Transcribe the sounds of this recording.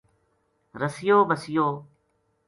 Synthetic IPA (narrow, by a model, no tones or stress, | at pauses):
ɾəsɪjoːbəsɪjoː